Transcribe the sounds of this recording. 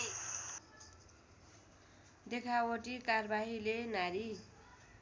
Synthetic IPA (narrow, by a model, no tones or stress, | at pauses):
d̪ekʰawoʈikarbaɦilenaɾi